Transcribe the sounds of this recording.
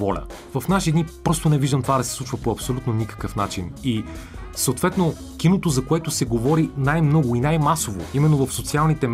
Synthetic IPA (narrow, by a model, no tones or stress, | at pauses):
vɔlʲə̰ | vɐfnaʃid̪nipɾɔst̪onɛviʒd̪əmt̪ovad̪ɐsɛ̥sˠut͡ʃvəpoɐpsolʲut̪nonikə̥kəfna̰t͡ʃini | səot̪vɛt̪no | kinot̪ozɐkoɛt̪ʊsɛɡovɔɾinajmnɔɡʊinajmasovo̰imɛnːovəfsot̪sialˠnit̪ɛ